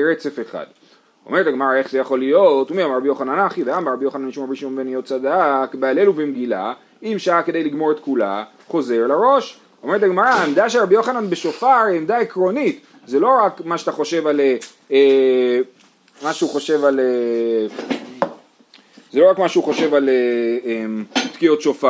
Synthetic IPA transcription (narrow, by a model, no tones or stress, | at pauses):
ɾet͡se̞feχa̰d̪ | o̞meʁetaɡmaʁae̞χzejaχo̞lijo̞tumeamaʁabijo̞χananaχiveɡambaʁabijo̞χananiʃumʁabiʃimomvenijot̚t͡sad̪akbeale̞luvemɡila̰ | imʃaake̞d̪ejliɡmo̞ʁet̪kula̰ | χo̞ze̞ʁlaʁo̞ʃ | omeʁetaɡmaʁaemd̪aʃeʁabijo̞χananbe̞ʃo̞faʁemd̪aekʁo̞nit̪ | zelo̞ʁakmaʃeat̪aχo̞ʃe̞vale | e | maʃeuχo̞ʃe̞vale | zelo̞ʁakmaʃeuχo̞ʃe̞valeemtkijo̞tʃofa